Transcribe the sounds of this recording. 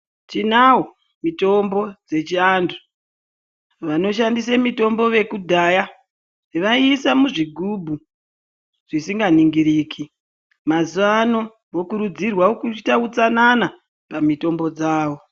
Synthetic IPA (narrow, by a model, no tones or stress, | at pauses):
t͡ʃinawo | mito̞mbo̞d͡ze̞t͡ʃiandu̥ | ʋano̞ʃandis̬amito̞mbo̞ʋe̞kudʱaːja | ʋaisamuʐiɡʱubʱu | ʐ̥isiŋɡaniŋɡiɾiːkʰi | mazuano̞ | ʋokuɾud͡zirwaokut͡ʃitaut͡sanana | pamito̞mbo̞d͡zaːʋo̞